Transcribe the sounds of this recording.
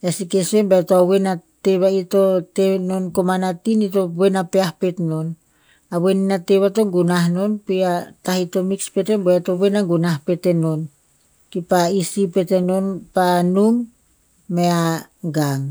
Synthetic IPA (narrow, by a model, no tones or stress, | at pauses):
jasike̞se̞mbaetoaβenate̞βaito̞teno̞nko̞manatinito̞be̞napeahpe̞tno̞n | aβe̞ninate̞βato̞ŋɡunahno̞npiatahito̞mikspe̞te̞nboato̞βe̞naŋɡunahpe̞te̞no̞n | kipaisipe̞te̞no̞npanumː | e̞aɡaŋ